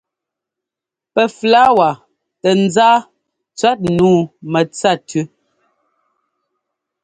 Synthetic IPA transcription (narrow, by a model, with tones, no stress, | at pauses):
pɛ˨fla˦wa˨ | tɛ˨n̩˦zaː˦ | t͡sɥa˦t̚nuː˦mɛ˨t͡sa˦˨tʰʉ˦